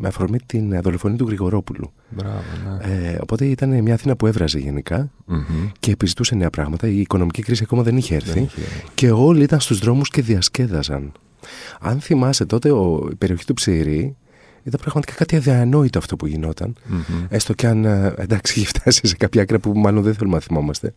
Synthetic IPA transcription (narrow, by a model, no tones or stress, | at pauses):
meɐfoɾmit̪inðolo̞fo̞niɐt̪uɣɾiɣo̞ɾo̞pulṵ | bɾaveo̞̰po̞t̪e̞it̪ɐnemɲɐːθinɐpue̞vɾɐzeʝe̞̰nikɐ | ce̞ːpizit̪use̞ne̞ɐpɾɐɣmɐt̪ɐiːko̞no̞micikɾisiɐko̞mɐðe̞niçeeɾθθḭce̞o̞liit̪ɐnst̪uzðɾo̞musce̞ðiɐsce̞ðɐzɐ̰n | ɐ̰nθimɐset̪o̞t̪e̞oḭpe̞ɾio̞çi̥t̪upsiɾi | it̪ɐmpɾɐɣmɐt̪i̥kɐkɐt̪iɐðiɐno̞it̪oɐft̪o̞puʝino̞t̪ɐ̰ne̞st̪o̞ceɐnend̪ɐksiʝift̪ʰɐsi̥sekɐpçɐɐkɾɐpumɐlo̞nðeθe̞lumnɐθimo̞mɐst̪e̞